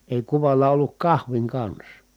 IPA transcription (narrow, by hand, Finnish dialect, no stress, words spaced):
eˑi kuʋɑlˑɑ olːuk kɑhʋiŋ kɑns